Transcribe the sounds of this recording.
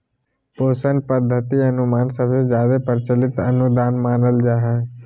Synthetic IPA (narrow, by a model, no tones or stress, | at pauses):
poːsənpəd̪ʱːət̪iɐnʊmaːnsəbsezjaːd̪epəɾɪt͡ʃəlɪt̪ɐ̰nʊd̪aːnmaːnəld͡ʒaːɦɛː